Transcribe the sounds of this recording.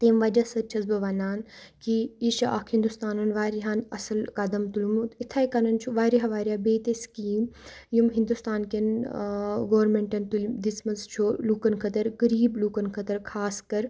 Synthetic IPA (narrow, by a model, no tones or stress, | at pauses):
t̪eːmʋɐd͡ʒɐsɐt͡ʃʰɐzbɐʋɐnaːnkiiʃa̰ːkʰhind̪ust̪aːnɐnʋaːɾiɦaːnɐsɐlkɐd̪ɐmt̪ulmuit̪ʰaːikɐnɐnt͡ʃʰuʋaːɾiɦaʋaːɾʲjaːbeːt̪eskiːm | jumɦĩnd̪ust̪aːnken | ɡoːɾmeɳʈɐnt̪ulmd̪ismɐnzt͡ʃʰoːlukɐnkʰɐt̪ɐɾkɐɾiːblukɐnkʰɐt̪ɐɾkʰaːskɐɾ